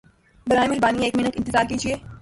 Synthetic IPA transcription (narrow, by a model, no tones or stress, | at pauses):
bɐɾaːẽmɪlbaːnieːkmɪnəkɪ̃nt̪ɪzaːɾkiːd͡ʒieː